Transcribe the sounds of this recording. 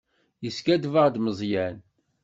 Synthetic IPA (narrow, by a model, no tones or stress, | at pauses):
jəskæd̪vəʁd̪məzˤjæn